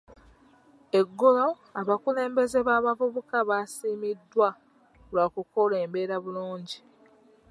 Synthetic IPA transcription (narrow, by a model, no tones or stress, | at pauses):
e̞ɡːolo̞ | aβakule̞ːmbe̞ze̞βaːβavuβukaβasiːmidːwa | lwakuko̞le̞ːmbe̞ːɾaβuluːɲɟi